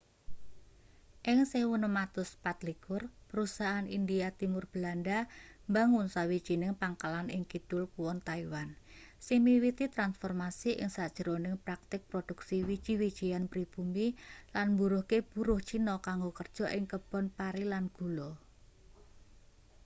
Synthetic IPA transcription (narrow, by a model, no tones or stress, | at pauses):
ʔɪŋsɪhwunəmat̪ʊspat̪likʊrpəɾusaʔanind̪ijat̪imʊrb̥əlandambaŋʊnsawid̥ʒ̥i̤nɪŋpaŋkalanʔɪŋkid̪̥ʊlkuwɔnt̪aiwan | simiwit̪it̪ɾansfɔrmasiʔɪ̰ŋsad̥ʒ̥əɾonɪŋpɾak̚t̪ɪk̚pɾod̥uksiwid̥ʒ̥i̤wid̥ʒ̥ijanpɾib̥umbilanmbuɾʊhkeb̥uɾʊht͡ʃinɔkaŋɡokərd̥ʒ̥ɔ̤ʔɪŋkəb̥ɔ̤npaɾilanɡ̥ṳlo